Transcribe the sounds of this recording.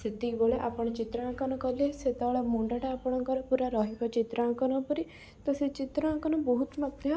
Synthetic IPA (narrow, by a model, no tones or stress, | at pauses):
sɪt̪iːboːleʔapɳet͡ʃɪt̪ɾãːkənːkəleːsɪt̪aːlaːmʊɳɖaʈaapɳãːkəɾpuɾaːɾaːɦɪkat͡ʃɪt̪ɾãːkənãːpəɾiː | t̪əsĩːt͡ʃɪt̪ɾãːkənõːbɔːʊt̪mək̚t̪eaː